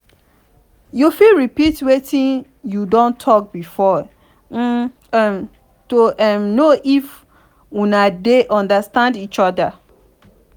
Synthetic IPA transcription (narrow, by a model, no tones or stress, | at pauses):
jufilɹipitwetʰĩn | judɔ̃ntʰɔk̚bifɔ | m̩ | ɛm | toʔɛmnoʔif | wũnadeʔɔ̃ndastãndit͡ʃɔda